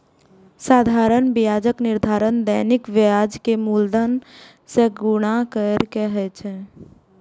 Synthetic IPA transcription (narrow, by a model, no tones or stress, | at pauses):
saːd̪ʱaːɾəɳbɪjaːd͡ʒəknɪɾd̪ʱaːɾənd̪əːnɪkʋejaːd͡ʒkemuld̪ən | seɡʊɽ̃akəɾkeɦɛt͡ʃʰɛ